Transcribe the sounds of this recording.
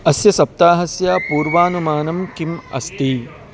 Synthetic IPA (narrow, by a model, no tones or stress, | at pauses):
ɐsjɐsɐp̚t̪aːɦɐsjaːpuːɾʋaːnumaːnɐmkimɐ̰st̪i